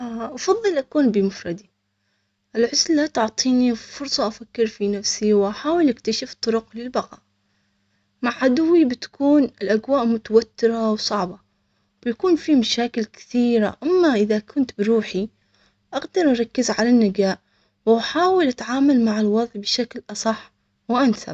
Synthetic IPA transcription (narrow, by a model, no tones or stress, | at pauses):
ʔɑfɑðˤːɨlʔakuːnbɪmʊfɾˤɑd̪i | ʔɪlʕʊslːat̪ʊʕt̪ˤiːnifʊɾsˤɑʔafakːɪɾfinafsiwʔaħaːwɪlʔɪkt̪aʃɪft̪ˤːʊɾʊqlɪlbɑqɑː | maʕʕad̪ʊwːibɪt̪ḁkuːnɪlʔaɡwaːʔmʊt̪awat̪ːɪɾawsˤɑʕba | b̥ɪjakuːnfimaʃaːkɪlkɪ̥θiːɾa̰ʔamːaʔɪðakʰʊnt̪bɪɾuːħi | ʔaɡd̪ɑɾˤʔɑɾˤɑkːɪzʕalanːɪd͡ʒaːʔ | wʔaħaːwɪlʔat̪ʕaːmalmaʕɪlwɑðˤʕbɪʃaklʔɑsˤɑħː | wʔansa̰